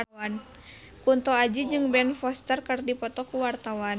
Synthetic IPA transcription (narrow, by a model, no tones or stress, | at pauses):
an | kunt̪ɔad͡ʒid͡ʒɨŋbɛnfɔst̪ərkərdipɔt̪ɔkuwart̪awan